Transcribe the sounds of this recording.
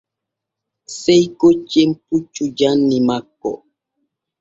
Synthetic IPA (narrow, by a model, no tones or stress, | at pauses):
sɛjkot͡ʃːemput͡ʃːud͡ʒanːimakːɔ̰